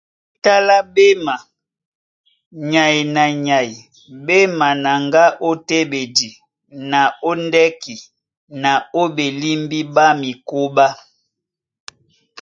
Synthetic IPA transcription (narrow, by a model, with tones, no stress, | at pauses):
ta˦la˦be˦ma˨ | ɲa˨i˨na˨ɲa˨i˨ | be˦ma˨na˨ŋɡa˦ʔo˦te˦be˨di˨ | na˨o˦ndɛ˦ki˨ | na˨o˦be˨li˦mbi˦ba˦mi˨ko˦ba˦